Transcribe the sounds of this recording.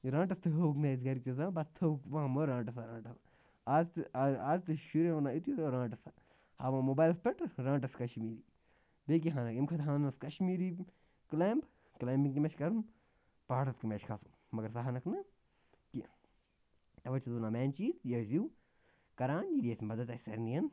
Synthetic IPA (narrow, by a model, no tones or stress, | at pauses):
ɾãːɳʈɐst̪ʰɐɦɐuknɐzɡɐɾikʲjozãːbɐst̪ʰɐukʋɐmoɾãːɳʈɐsaɾãːɳʈɐsa | azt̪ɨaːzt̪ɨʃuɾeɐnaːit̪jooɾãːɳʈɐsa | haːʋãmoːbaːjlspeʈɾãːɳʈ̬ɐskɐʃmiːɾi | beːk̬iɦãːnɐkimkʰɐt̪ɦaːnɐskɐʃmiːɾi | kleːmb | kleːmbiŋkimeʃkɐɾm | paːʈɐt̪kimet͡ʃkʰɐsu̥ | mɐɡɐɾsaɦanɐkʰnɐ | ki | t̪ɐʋɐt͡ʃʰuzunaːmɛːnt͡ʃiːzjɐziw | kɐɾaːnjid̪iesʲmɐd̪ɐt̪ɐsɐ̰ɾnijɐn